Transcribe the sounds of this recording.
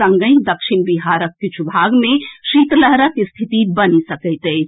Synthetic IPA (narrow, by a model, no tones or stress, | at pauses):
ɐ̃ŋɡə̃ĩd̪ɐkʃinbiɦaːɾəkːit͡ʃʰubʱaɡmẽʃit̪ləɦɾəkist̪ʰit̪ibənisəkəɪt̪eː